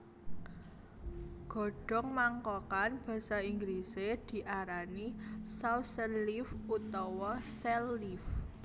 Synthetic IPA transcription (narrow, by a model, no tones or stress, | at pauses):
ɡ̥ɔ̤ɖ̥ɔ̤ŋmaŋkɔkanb̥a̤saiŋɡlised̪̥i̤ʔaɾanisawsəlifut̪ɔwɔsɛlif